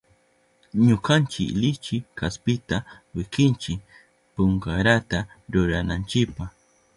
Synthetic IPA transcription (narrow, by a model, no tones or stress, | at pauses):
ɲokant͡ʃɪ̰klɪt͡ʃɪkaspɪt̪a | wɪkɪnt͡ʃɪk | pʊŋkaɾat̪a | ɾʊɾanant͡ʃɪkpaχ